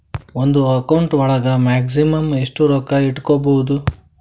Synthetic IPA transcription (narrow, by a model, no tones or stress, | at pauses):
ond̪uɐkɐwuɳʈʋɐɭɐɡɐmaːks̬imɐmeʂʈuɾɔːkɐiʈːkobɐwud̪u